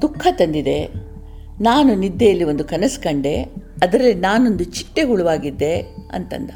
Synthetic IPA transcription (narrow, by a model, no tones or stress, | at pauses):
d̪̥ukʰːɐt̪ɐnd̪id̪e̞ | naːnunid̪ːejɐlːio̞nd̪ukɐnɐskɐɳɖe̞ɐd̪ɐɾɐlːinaːno̞nd̪ut͡ʃi̥ʈːeɡuɭuʋaːɡid̪ːe̞ɐ̰nt̪ɐ̰nd̪ɐ